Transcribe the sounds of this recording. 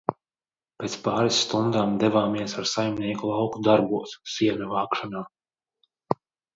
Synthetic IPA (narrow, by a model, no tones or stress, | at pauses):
pʲeːt̪spaːɾisːt̪und̪aːmd̪ɛvaːmiɛsaɾsajmniɛkulˠawkud̪aɾbuɔssiɛnʲuvaːkʃanaː